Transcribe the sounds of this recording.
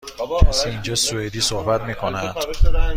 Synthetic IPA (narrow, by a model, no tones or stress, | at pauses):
kʰæsiːind͡ʒɒːsued̪iːsohbæt̪miːkʰonænd̪̥